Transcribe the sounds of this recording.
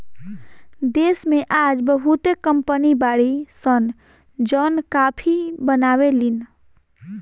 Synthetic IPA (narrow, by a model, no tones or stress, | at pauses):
d̪esmeʔad͡ʒbəɦut̪ekəmpənibaɽisən | d͡ʒənkapʰibənawelin